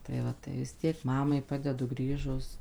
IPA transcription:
tɐɪ ˈʋɐ tɐɪ ʋʲɪs ˈtʲiɛk ˈmɑːmɐɪ ˈpɑːdʲɛdʊ ˈɡrʲiːʒʊs

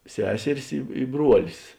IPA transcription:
ˈsʲæːsʲɛrʲɪs ˈɪ ɪ ˈbruɔlʲɪs

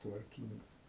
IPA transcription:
tʋɐrʲˈkʲiːŋɡɐs

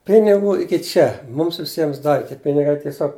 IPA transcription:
ˈpʲɪnʲɪɡuː ˈɪkʲɪ ˈt͡ʃʲɛ ˈmʊms ʋʲɪˈsʲiɛms ˈdɑːʋʲɪ ˈtʲiɛ ˈpʲɪnʲɪɡɐɪ tʲiɛˈsʲoːk

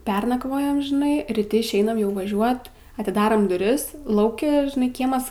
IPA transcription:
ˈpʲɛrnɐkʋoːjɛm ʒʲɪˈnɐɪ rʲiːˈtʲɪ ɪʃʲˈɛɪnɐm jɛʊ ʋɐˈʒʲuɔt ɐtʲɪˈdɑːrɐm dʊˈrʲɪs ˈlˠɐʊkʲɪ ʒʲɪˈnɐɪ ˈkʲiɛmɐs

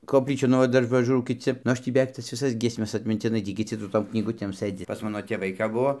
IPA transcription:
koːpʲˈlʲiːt͡ʃʲuː nʊ ˈʋɐ ˈdɐr pɐˈʒuːrɐʊ kʲɪˈt͡sʲɪ nʊ ˈɐʃ tʲiː bʲɛˈʋʲɛɪk tɐs ʋʲɪˈsɐs ɡʲiɛsʲˈmʲɛs ɐtʲmʲɪnʲtʲɪˈnɐɪ ˈtʲiː kʲɪˈt͡sʲɪ sʊ ˈtoːm knʲiːˈɡʊtʲeːm ˈsɘd͡zʲɪ pɐs ˈmɑːnoː tʲeːˈʋɐɪ kɐp ˈbʊʋoː

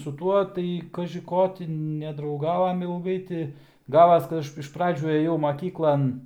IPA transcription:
sʊ ˈtuɔ tɐɪ kɐʒʲɪ ˈkoː tʲɪ nʲɛdrɐʊˈɡɑːʋoːmʲɛ ɪlˠˈɡɐɪ tʲɪ ˈɡɑːʋɐs kɐt ˈɐʃ ɪʃ ˈprɑːd͡ʒʲuː ˈeːjɛʊ mɐˈkʲiːklˠɐn

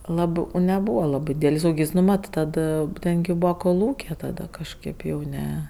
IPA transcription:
ˈlˠɑːbɜ uː nʲɛˈbuːʋɐ ˈlˠɑːbɜ ˈdʲiːdʲɛlʲɪs ˈuːkʲɪs nʊ ˈmɐt ˈtɐt ˈtʲɛn ɡʲɪ ˈbuːʋɐ koːˈlˠuːkʲeː tɐˈdɐ kɐʃˈkɐɪp jɛʊ ˈnʲɛ

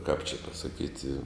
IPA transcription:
kɐp t͡ʃʲɪ pɐsɐˈkʲiːtʲɪ

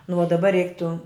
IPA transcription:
nʊ oː dɐˈbɐ ˈrʲɛɪktʊ

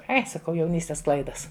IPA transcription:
ˈɐɪ sɐˈkɐʊ jɛʊˈnʲiːsʲtʲɛs ˈklˠɐɪdɐs

